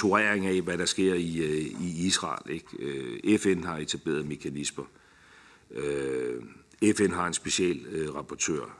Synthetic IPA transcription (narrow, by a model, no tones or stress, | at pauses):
t͡sʰoʁɛɐ̰eŋæʋæɾɑ̈sɡ̥e̝ɐ̰iiisʁɑ̰̈ːle̝ɡ̥øefenhɑ̈e̝t͡sʰæb̥e̝̰ːɐð̩ˠme̝kʰænismɐ | ø | efen̰ɦɑ̈e̝nsb̥e̝ɕɛ̰ːlʁɑ̈pʰɒt͡sʰø̰ːɐ̰